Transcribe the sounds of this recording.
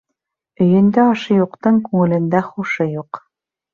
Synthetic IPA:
ɵ̆jɵ̆nd̪æɑʃɤ̆juqt̪ɤŋkʉŋɘ̆lɘ̆nd̪æχuʃɤjuq

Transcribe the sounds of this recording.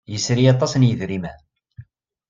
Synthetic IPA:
jəsɾijɑt̪ˤːɑsnjəðɾimæ̰

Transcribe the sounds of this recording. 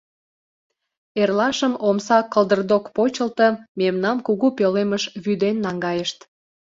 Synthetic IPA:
erlɑʃəmomsɑkəlˠd̪ərd̪okpot͡ɕəlt̪əmemnɑmkuɣupøleməʃβyd̪enːɑŋɡɑjəʃt̪

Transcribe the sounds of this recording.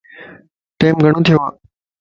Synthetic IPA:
ʈeːmɡʱəɳ̃õːt̪ʰɪjoːaː

